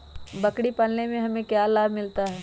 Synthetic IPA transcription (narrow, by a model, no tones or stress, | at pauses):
bɐkɽipɐlnemẽɦɐmẽkjaːlaːbʱmɪlt̪aɦɛː